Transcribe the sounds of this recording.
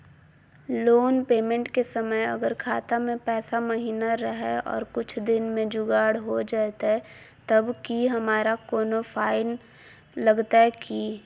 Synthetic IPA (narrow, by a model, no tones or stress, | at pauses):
loːnpeːmẽɳʈkesəməjɐ̰ɡəɾkʰaːt̪amẽpɛːsaməɦiːnaɾəɦɛɔ̰ːɾkʊt͡ʃʰd̪ɪnmẽd͡ʒʊɡaːɽɦod͡ʒaːt̪aɦɛ | t̪ɐbkiɦɐmaːɾakoːnofʰaːɪn | lɐɡt̪aɦɛki